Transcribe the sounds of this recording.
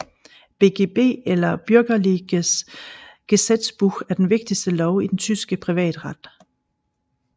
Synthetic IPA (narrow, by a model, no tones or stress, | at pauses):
b̥e̝̰ːɡ̥e̝̰ːb̥e̝̰ːelɐb̥jyɐɡ̥ɐliɡ̥əs | ɡ̥esed̥sb̥uæɐd̥enʋe̝ɡ̥̚d̥isd̥əlɒʊid̥ent͡sʰysɡ̥əpʰʁiʋɛ̰ːd̥ʁɑd̥